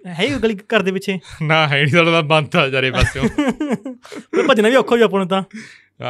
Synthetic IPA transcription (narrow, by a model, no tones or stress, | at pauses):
ɦɛɡəliːkəɾd̪eːpɪt͡ʃʰeːnãːɦɛɽiːt̪alot̪ãːband̪aːd͡ʒaːɾeːbasːõ | pəd̪ːnaːʋiːoːkʰːoːiːaːp̬əɳõːt̪̬ãː